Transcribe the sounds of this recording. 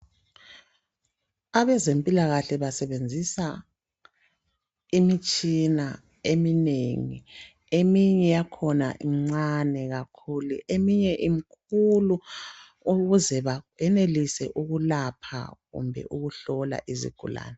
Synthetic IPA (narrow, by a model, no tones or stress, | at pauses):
aβɛzempʼilaɣaɬɛβasɛβend͡zʱisa | imit͡ʃʼina | emineŋḭ | emiɲɛjakʰɔna̰ʔiŋ͡ǀanɛɣakʰuluʔemiɲɛʔimikʰulu | uɣuzɛβaɛnelisɛʔuɣulapʰa̰ɣṵmbʱɛ̰ʔuɣuɬɔla̰ʔizḭɡ̥ʱṵla̰ːnɛ